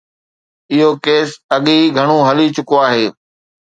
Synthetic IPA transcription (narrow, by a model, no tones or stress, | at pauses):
ɪɦokeːsɐɠiɡʱɐɽ̃õɦɐlit͡ɕʊkoaːɦeː